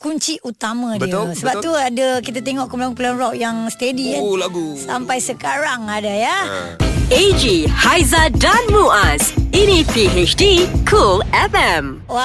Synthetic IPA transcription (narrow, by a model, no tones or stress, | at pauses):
kuɲt͡ʃiʔut̪amə̃disəbapt̪uadəkit̪̬at̪eŋɔʔkəmlaŋpulanrɔʔ̚jaŋst̪ediɡusampajsəkaɾaŋadaja | ed͡ʒihajzadanmuasinipiɦet͡ʃdikʰulɛfɛm